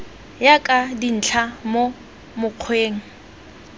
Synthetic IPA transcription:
jakʼadin̩t͡ɬʰamo | mʊq͡χʰweːŋ̩

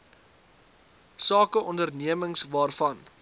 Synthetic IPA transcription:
sɑːkəʔɔndərniəməŋsvɑːrfɐn

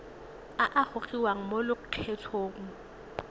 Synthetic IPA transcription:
aʔaχʊχiwaŋ̩molɪkʊq͡χʰɛtʰoːŋ̩

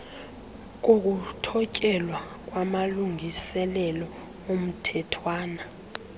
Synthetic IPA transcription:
k̬ok̬utʰɔcʼɛlwa | k̬ʼwamaluŋʱisɛlɛlɔ | om̩tʰɛtʰwaːna

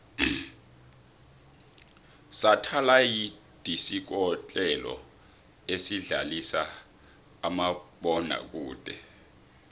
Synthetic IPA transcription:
satʰalaji | d̥ʱisik̬ɔt͡ɬʼɛlɔ̰ | esiɮa̰lisaː | maɓɔna̰k̬ʼuːd̥ʼʱɛ

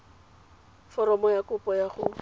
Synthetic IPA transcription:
fɔɾɔmɔjakʊpʼɔjaχʊ

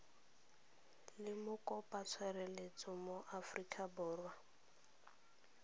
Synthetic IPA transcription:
lɪmʊkʼɔpʼat͡sʰwɛɾɛlet͡sʼʊmoʔafrikʼabɔːrwa

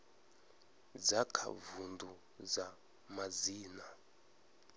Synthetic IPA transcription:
d͡zakʰa̰vundu | za | maziːna

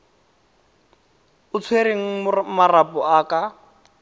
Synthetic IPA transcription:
ʊt͡sʰweɾeŋ̩mʊmarapɔʔaːka

